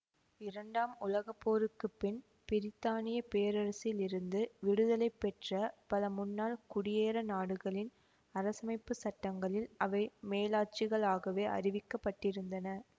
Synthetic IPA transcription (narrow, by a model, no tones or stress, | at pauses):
ɪɾɐɳɖaːmʊlɐɣɐpːoːɾɯkːɯpːɪn | pɪɾɪt̪ːaːnɪjɐpeːɾɐɾɐsɪjlɪɾɯnd̪ɯʋɪɽɯðɐlɐɪpːɛʈrɐpɐlɐmʊnːaːlkʊɽɪjeːɾɐnaːɽɯɣɐɭɪn | ɐɾɐsɐmɐɪpːɯsɐʈːɐŋɡɐɭɪlɐʋɐɪmeːlaːt͡ʃɪɣɐɭaːɣɐʋeːʔɐ̰rɪʋɪkːɐpːɐʈːɪɾɯnd̪ɐnɐ